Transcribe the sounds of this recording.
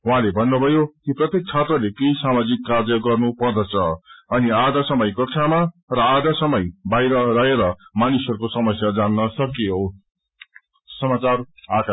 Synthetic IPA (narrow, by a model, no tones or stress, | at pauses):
uɦãlebʱʌnːubʱʌjokiprʌt̪jek̚t͡sʰat̪rʌlekejsamad͡zikːard͡zʌɡʌrnupʌrd̪ʌt͡sʰʌʌniad̪asʌmʌjkʌʈʰamarʌad̪asʌmʌjbajɾʌrʌɦeɾʌmanisʌɾukosʌmʌsjad͡zanːʌsʌkijo | sʌmat͡saraka